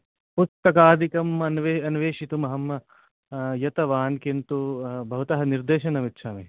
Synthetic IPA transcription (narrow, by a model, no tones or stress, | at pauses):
pust̪ɐkaːd̪ʱikɐmɐnʋeɐnʋeːʃit̪umɐɦɐm | jɐt̪ɐʋaːnkint̪ubʱɐɦut̪ɐɦɐniɾd̪eːʃɐnɐʋitːʃʰaːmeː